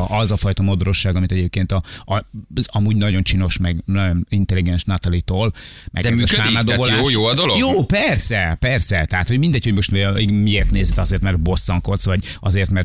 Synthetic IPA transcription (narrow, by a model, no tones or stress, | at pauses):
ʔɒzɒfɒjt̪ɒmod̪oɾo̞ʃːaːɡɒmit̪ɛɟeːp̚keːnt̪ɒɒɒmuːɟnɒɟo̞nt͡ʃino̞ʃmɛɡnɒonint̪ɛliɡɛnʃnɒt̪ɛlit̪oːl | mʔɛ̰ɡɛmyːkøaːimaːd̪ovoljːjoːɒd̪oloɡjoːpɛrsɛpɛrsɛt̪ɛɦat̪ho̞ɟmind̪ɛcho̞ɟmo̞ʃt̪miiɡmieːrt̪neːzɛt̪ɒzeːrt̪mɛrt̪̚bo̞sːɒŋko̞t̪sʋɒɟ | ʔɒzeːrt̪mɛrt̪